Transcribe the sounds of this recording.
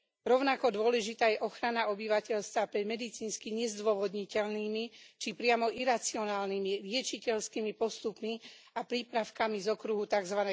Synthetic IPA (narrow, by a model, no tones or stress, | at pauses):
ɾɔʊnakɔd̪ʊɔlɛʒit̪aːjɛʔɔxɾanaɔbiʋacɛʎst̪ʋapɾɛmɛd̪it͡siːnskiɲɛzd̪ʊɔʋɔd̪ɲicɛlniːmit͡ʃipɾɪamɔʔiɾat͡siɔnaːlnimiɾɪɛt͡ʃicɛʎskiːmipɔst̪upmiapɾiːpɾaʊkamizɔkɾuɦut̪aɡzʋanɛ